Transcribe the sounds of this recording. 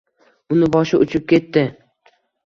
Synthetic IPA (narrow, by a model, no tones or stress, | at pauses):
ʊnɪbɒʃɪʔʊt͡ʃʰɪp̚kʲe̞t̪ːɪ